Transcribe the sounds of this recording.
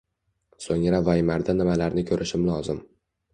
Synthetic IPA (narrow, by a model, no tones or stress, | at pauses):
soŋɾavajmaɾd̪anɪmalaɾnɪkʲʰɵɾʔɪʃɪmlɒzɪm